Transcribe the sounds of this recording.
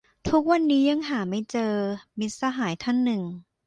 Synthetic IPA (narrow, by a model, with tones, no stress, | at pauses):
t̪ʰu˦˥k̚wa˧nːiː˦˥ja˧ŋɦaː˩˦ma˥˩jt͡ɕɤː˧mi˦˥t̪̚saː˧ɦaː˩˦jt̪ʰa˥˩nːɯ˨˩ŋ